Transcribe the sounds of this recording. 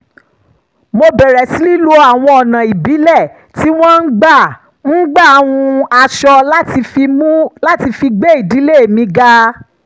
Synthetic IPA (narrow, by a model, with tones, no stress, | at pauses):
mo˧bɛ˨ɾɛ˨si˨˦li˦lo˧a˨w̃ɔ̃˧ɔ˨nã˨i˨bi˨˦lɛ˦˨ | ti˦w̃ɔ̃˦n̩˦ɡ͡ba˦˨ | n̩˦ɡ͡ba˦˨˦w̃ũ˧a˧ʃɔ˧la˦ti˧i˧mũ˦la˦ti˧fi˧ɡ͡be˦i˦˨di˨˦le˦e˨mĩ˧ɡa˧